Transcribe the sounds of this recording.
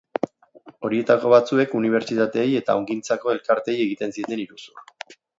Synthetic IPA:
o̞ɾie̞t̪ako̞βat͡sue̞kuniβ̞e̞ɾt͡ʃit̪at̪e̞ːje̞t̪aoŋɡint͡sako̞e̞lkaɾt̪e̞je̞ɣ̞it̪e̞nsie̞t̪e̞niɾusur

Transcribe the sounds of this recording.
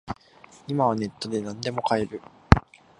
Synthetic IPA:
imaβ̞ane̞t̪ːo̞d̪e̞nãnd̪e̞mo̞kae̞ɾɯ̟

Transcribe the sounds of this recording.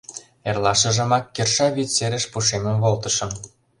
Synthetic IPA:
erlɑʃə̆ʒə̆mɑkːerʃɑβit̪t͡seɾə̆ʃpuʃemə̆mβolt̪ə̆ʃɤ̆m

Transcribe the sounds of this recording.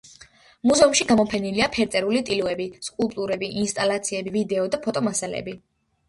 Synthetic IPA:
muzɛumʃiɡamɔpʰɛniliapʰɛɾt̪sʼɛɾulit̪ʼiluɛbiskʼulˠpʼt̪ʼuɾɛbiʔinst̪ʼalat̪sʰiɛbivid̪ɛɔd̪apʰɔt̪ʼɔmasalɛ̰bi

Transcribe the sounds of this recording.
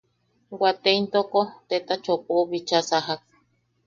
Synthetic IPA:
ɡʷat̪eint̪okot̪et̪at͡ʃopoβit͡ʃasaɦak̚

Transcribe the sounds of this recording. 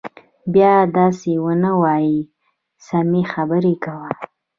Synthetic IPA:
bjɑd̪ɑsewənəwɑji | samixabəɾekawa

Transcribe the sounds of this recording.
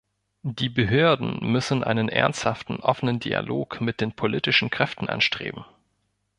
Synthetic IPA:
d̥iːbəɦøːɐdn̩mʏsn̩ʔa̰ɪnənʔɛ̰ɐnsthaftn̩ʔɔfənəndḭa̰loːkmɪt̚d̥eːnpʰoliːtɪʃn̩kʁ̥ɛftn̩ʔa̰nʃtʁ̥ḛːbm̩

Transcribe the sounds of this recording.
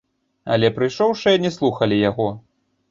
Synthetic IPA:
ɐ̰lʲɛpɾɨjʂɔwʂɨjɐnʲɛslˠuxɐlʲijaɣɔ

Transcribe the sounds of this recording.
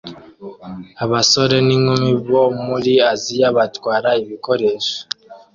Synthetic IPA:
aβaso̞ɾe̞niŋumiβomuɾiazijaβatwaːɾaiβiko̞ɾe̞ːʃo̥

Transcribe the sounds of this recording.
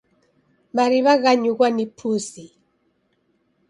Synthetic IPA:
maɾiβaɣaɲuɣwanipʰusi

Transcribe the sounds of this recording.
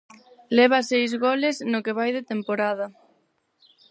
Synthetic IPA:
lɛβ̞ɐsejzɣoleznokeβajðet̪empoɾað̞ɐ

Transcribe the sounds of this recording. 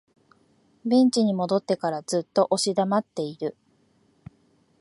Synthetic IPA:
bẽ̞ɲ̟t͡ɕiɲ̟imo̞d̪o̞t̪ːe̞kaɾazɨt̪ːo̞ʔo̞ɕid̪amat̪ːe̞iɾɯ̟

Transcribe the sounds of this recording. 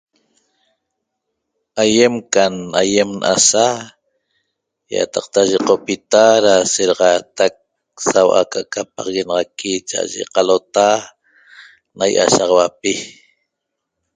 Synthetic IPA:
aje̞mkanajemnʔa̰sa | ja̰t̪ɑq̚t̪aʒeqopit̪aɾaseɾɑʁɑt̪ak̚ | sawʔa̰kaʔkap̚ɑʁɑɣenɑʁɑkit͡ʃa̰ʔa̰ʒḛqalot̪a | najʔa̰ʃɑʁɑwapi

